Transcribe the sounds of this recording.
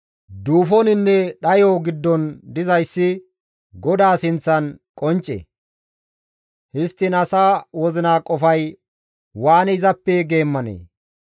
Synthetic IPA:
d̪uːfɔnɪnːɛɗɐjoːɡɪd̪ːɔnd̪ɪzɐjsːɪ | ɡɔd̪aːsɪnt͡sːɐnkʼɔnt͡ʃʼːɛ̰ | hɪst̪ːɪnɐsaːwɔzɪnaːkʼɔfɐj | waːnɛɪzɐpːɛɡe̞ːmːɐnḛː

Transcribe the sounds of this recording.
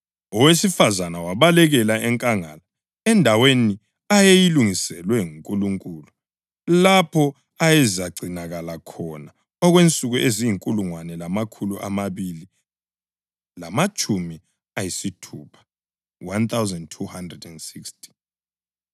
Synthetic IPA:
ɔwesifazanawaβalɛɣɛlaɛŋkʼaŋa̰la | ɛndʱaweni | ajejiluŋisɛlwɛŋuŋkʼuluŋkʼulu | lapʰɔ | ajɛzaɡ͡ǀʱinaɣalakʰɔna | ɔɣwent͡sʼuɣuʔezijiŋkʼuluŋwanɛlamakʰuluʔa̰maβili | lamat͡ʃʼumi | ajisitʰuːpʰḁ | want̪awzɛndtʰuhandrɛdɛndsikstʰi̥

